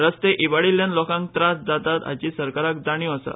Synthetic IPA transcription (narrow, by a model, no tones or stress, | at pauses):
ɾəst̪eʔibaɽiljanlɔkãŋk̚t̪ɾasd̪at̪at̪a̰d͡ʑisəɾkaɾak̚d͡z̪aɳ̃juasa̰